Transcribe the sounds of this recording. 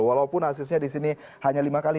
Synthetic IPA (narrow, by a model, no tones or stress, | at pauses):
walaupʊnhas̬ɪs̬ɲadisini | haɲalimakali